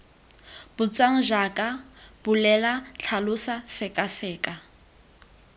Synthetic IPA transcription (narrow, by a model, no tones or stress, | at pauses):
b̥ʊt͡sʼaŋ̩ʒakʼab̥ʊlɛlat͡ɬʰalʊsasɪkʼasɛːkʼa